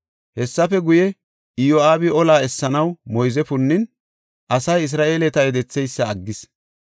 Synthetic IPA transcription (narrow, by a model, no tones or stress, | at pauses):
hɛsːɐfɛɡʊjɛ | ɪjoːaːbɪɔlaːɛsːɐnɐwmɔjzɛpʊnːɪn | ʔɐsɐjɪs̬ɾaːʔe̞ːlɛt̪ɐɛd̪ɛt͡sːɛjsːɐɐɡːɪs